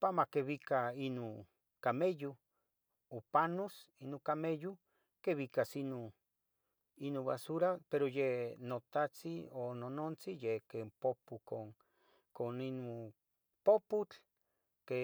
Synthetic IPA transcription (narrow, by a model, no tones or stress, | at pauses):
pamakeβikainu | kameju | opanosinukameju | keβikasino | inũβa̰suɾapeɾojenot̪at͡siononont͡sijekempopuko | koninmu | poput͡ɬ | ke